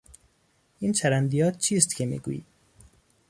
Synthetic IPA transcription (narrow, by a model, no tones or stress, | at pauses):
int͡ʃʰæɾænd̪ijɒːt̪̚t͡ʃʰiːst̪kʰʲemḭɡṵḭː